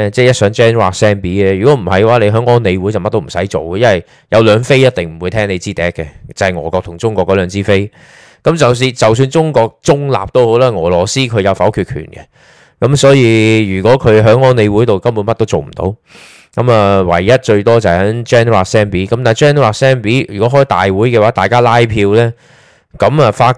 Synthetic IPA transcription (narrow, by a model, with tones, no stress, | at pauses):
t͡sɛː˥˩jɐ˥t̚sœː˨˥ŋt͡ʃɛː˥nwaː˧k̚sɛː˥npiː˨˥ɛ˥jyː˨kɔː˨˥m̩˨˩hɐ˨jwaː˨˥le˨˧jɦœː˨˥ŋɔː˥nne˨˧wu˨˥jt͡sɐ˨wmɐ˥t̪o˥m̩˨˩sɐ˨˥jt͡so˨wkɛ˧jɐ˥nhɐ˨j | jʔɐ˨˧wlœː˨˧ŋfe˥jɐ˥t̚t̪ɪ˨ŋm̩˨˩wu˨˧jt̪ʰɛː˥ŋne˨˧jt͡siː˥t̪ɛː˨˥kːɛ˧t͡sɐ˨˩hɐ˨˩ŋɔː˨˩kɔː˧k̚t̪ʰʊ˨˩ŋt͡sʊ˥ŋkɔː˧kːɔː˨˧˥lœː˨˧ŋt͡siː˥fe˥j | kɐ˨˦˥mt͡sɐ˨ws̬iː˧nt͡sɐ˨ws̬yː˧nt͡sʊ˥ŋkɔː˧k̚t͡sʊ˥ŋla̰ː˨p̚t̪o˥who˨˥wlaː˥ŋɔː˨˩lɔː˨˩siː˥kʰɵ˨˧ɥjɐ˨˧wfɐ˨˥wkʰyː˧t̚kʰy̰ː˨˩nkɛ̰˧ | kɐ˨˥msɔː˨˥jiː˧jyː˨˩kɔː˨˥kʰɵ˨˧ɦœː˨˥ŋɔː˥ne˨˧jwuː˨˥jt̪o˨wkɐ˥mpu˨˥nmɐ˥t̚t̪o˥wt͡so˨wm̩˨˩t̪o̰˨˥w | kɐ˨˧˥mɐː˨wɐ̰˨˩jːɐ˥t̚t͡ʃɵ˧ɥt̪ɔː˥t͡sɐ˨hɐ˨jhɐ˨˥ŋt͡ʃɛː˥nwaː˨˩sɛː˥npiː˨˥kɐ˨˥mt̪a˨jt͡ʃɛː˥nwaː˨˥sɛː˥npiː˨˥jy̰ː˨kɔ˨˥ɦɔː˥jt̪a̰ː˨jwuː˨˥jkɛː˧waː˨˥t̪aː˨jkaː˥laː˥jpʰiː˧wlɛː˥ | kɐ˨˥mɐ˨faː˧